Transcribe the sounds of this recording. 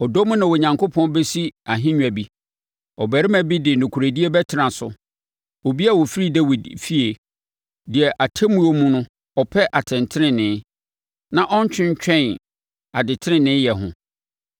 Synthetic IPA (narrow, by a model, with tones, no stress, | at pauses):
ɔ˨do˦mʊ̃˦nã˨wɔ˨ɲã˨ŋkʰo˦pʰɔ̃˦n˦be˦si˦a˨ɦɪ̃˦ɲᶣ˨æ˨bi˦ | ɔ˨bæ˨ɾɪ˦mæ̃˨bi˦dɪ˨nʊ̃˨kʰu˨ɾe˨di˦e˦bɛ˦tʰɪ˨ɾã˨sʊ̰˨ | wo˨bi˦a˦˨wo˨fi˦ɾi˦dɛ˦wi˨dfi˦e˨ | dɪ˨ɛ˨ʔa˨tʰɛ˦mũ˦o˦mũ˦nʊ̃˦ | ɔ˨pʰɛ˦ʔa˨tʰɛ̃˨ntʰɪ˦ɾɪ̃˨nɪ̃˨˦ | nã˨ʔɔ˦ɲ˦t͡ɕʰᶣɪ̃˦ɲ˦t͡ɕᶣɛ̃˦˨n | a˨dɪ˨tʰɪ˦ɾɪ̃˦nɪ̃˨˦jɛ˨ɦʊ̰̃˨